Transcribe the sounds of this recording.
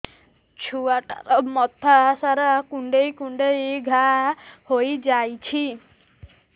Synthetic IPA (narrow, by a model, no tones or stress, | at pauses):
t͡ʃʰuaʈa̰ɾɔmɔt̪ʰasaɾakuɳɖejkuɳɖejɡʱahojd͡ʒajt͡ʃʰi